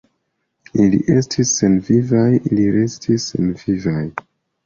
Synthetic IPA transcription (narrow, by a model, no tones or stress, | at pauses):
ilḭʔe̞stʰisːe̞nvivajiliɾestʰisːḛnvivaj